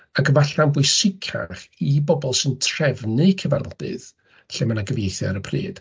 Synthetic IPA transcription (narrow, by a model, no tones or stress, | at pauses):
aɡəvaɬanbʊjsɪkʰa̰χibɔbɔlˠsɨntʰrɛvnɨkʰəva̰rd̥ɨ̰ð | ɬemanaɡəvjejθjaɾəpʰrḭːd̥